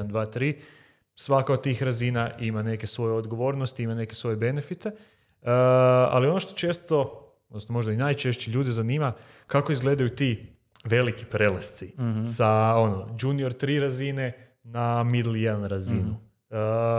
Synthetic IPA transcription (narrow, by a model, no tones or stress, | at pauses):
nd̪ʋaːt̪ɾiː | sʋakaod̪̚t̪iːxɾazinaʔimane̞ke̞sʋo̞jeo̞d̪ɡo̞ʋo̞ːɾnost̪iimane̞kesʋo̞jebe̞nefit̪e | a̰lio̞noʃt̪o̞t͡ʃe̞ːst̪o̞ | od̪nosnomo̞ʒd̪ainajt͡ʃe̞ʃt͡ɕiʎuːd̪izaniːma | kako̞izɡle̞d̪ajut̪i | ʋe̞likipɾe̞last̪sisao̞nod͡ʒunio̞ɾt̪ɾiːɾazine̞ | namid̪l̩ˠjed̪anɾazinu